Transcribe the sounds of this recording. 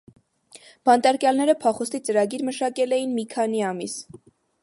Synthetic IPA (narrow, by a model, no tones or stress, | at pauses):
b̥ɑnt̪ɑɾkjɑlnɛɾəpʰɑχɔst̪it͡səɾɑɡiɾməʃɑkɛlɛjinmikʰɑniɑmis